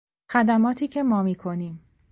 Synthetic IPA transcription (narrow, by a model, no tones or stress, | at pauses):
xæd̪æmɒːt̪ʰiːcʰe̞mɒːmiːkʰo̞niːm